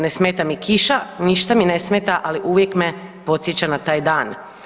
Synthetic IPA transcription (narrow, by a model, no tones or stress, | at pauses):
nesmeːt̪amikʰiʃaniʃt̪amine̞smeːt̪aʔaliʔuʋjekmepo̞t̪sjet͡ɕanat̪aːjd̪aːn